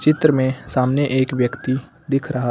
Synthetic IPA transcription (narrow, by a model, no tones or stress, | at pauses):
t͡ʃɪt̪ɾəmẽsaːmnjəʔeːkʋjəkt̪i | d̪ɪkʰɾɐɦa